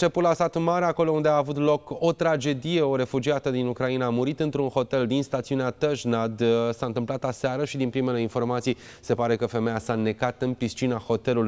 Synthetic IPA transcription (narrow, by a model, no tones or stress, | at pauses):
t͡ʃe̞pulasat̪maɾeako̞lo̞und̪eaːvut̪lo̞ko̞t̪ɾad͡ʒe̞d̪ije̞o̞ɾe̞fud͡ʒiat̪əd̪inukɾainaːmuɾit̪ɨnt̪ɾunho̞t̪e̞ld̪inst̪at̪siuneat̪əʃnad̪saɨnt̪ɨmplat̪aseaɾəʃid̪inpɾime̞le̞info̞rmat̪sij | se̞paɾe̞kəfe̞mejasane̞kat̪ɨnpist͡ʃinaho̞t̪e̞luluj